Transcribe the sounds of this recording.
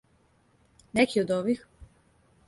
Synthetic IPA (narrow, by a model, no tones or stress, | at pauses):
nekʰiod̪oʋix